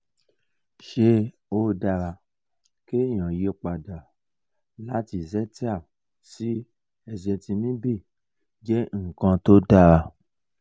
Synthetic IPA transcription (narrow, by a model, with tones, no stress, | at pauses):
ʃe˧ | o˦da˧ɾa˧ | ke˦˨j̃ã˨je˨˦k͡pa˨da˨ | la˦ti˧˨zɛ˦ti˦a˦˨ | si˦ | ɛ˧d͡ʒɛ˧tĩ˧mĩ˦bi˦˨ | d͡ʒɛ˦ŋ̩˦˨kã˧to˦da˧ɾa˧